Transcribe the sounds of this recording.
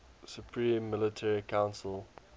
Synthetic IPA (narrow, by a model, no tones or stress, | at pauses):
supʰɹĩːmːɪlətʰɛɹikʰãʊ̃nsəl